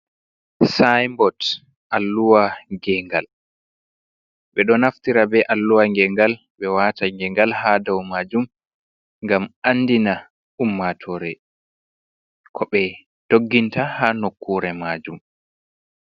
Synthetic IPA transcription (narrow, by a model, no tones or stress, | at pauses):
sajmbɔt | ʔalːuwaɡɛŋɡal | ɓɛɗɔnaftiɾabɛʔalːuwaŋɡɛŋɡal | ɓɛwataŋɡɛŋɡalhadawmaːd͡ʒum | ŋɡamanːdina | umːatʰɔɾɛ | kʰɔɓɛ | d̥oɡːintahanokːuɾɛmad͡ʒum